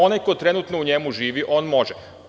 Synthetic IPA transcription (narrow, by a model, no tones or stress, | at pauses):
o̞najko̞jt̪ɾe̞nut̪nouɲemuʒiːʋiʔo̞ːnmo̞ʒɛ